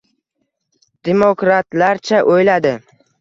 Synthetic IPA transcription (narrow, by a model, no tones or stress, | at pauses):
d̪̥emokɾat̪laɾt͡ʃʰaʔojlad̪ɪ